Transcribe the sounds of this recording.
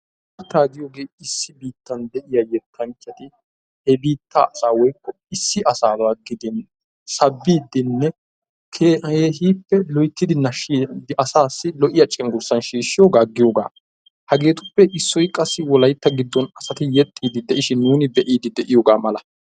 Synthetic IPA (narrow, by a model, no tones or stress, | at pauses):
ɐɾt̪ːaːɡ̪ɪjoːɡe̞ːɪsːɪbiːt̪ːɐnd̪ɛʔɪjɐjɛt̪ʰːɐŋt͡ʃːɐt̪ɪ | hɛbiːt̪ːa̰ːɐsaːwɔjkːɔ | ɪsːɪʔɐsaːdaːɡɪd̪ɪn | sɐbːiːd̪ɪnːɛ | kʰːeːɦiːpːɛlɔjt̪ːɪd̪ɪnɐʃid̪ɪʔɐsaːsːɪlɔʔɪjɐt͡ʃʼːɪŋɡʊɾsːɐnʃiːʃːɪjoːɡaːɡɪjoːɡa̰ː | hɐɡe̞ːt̪ʊpːɛʔɪsːɔjkʼɐsːɪwɔlɐjt̪ːɐɡɪd̪ːɔnɐsɐt̪ɪjɛt̪ʼːiːd̪ɪd̪ɛʔɪʃɪnːuːnɪd̪ɛʔiːd̪ɪd̪ɛʔɪjoːɡaːmɐlɐ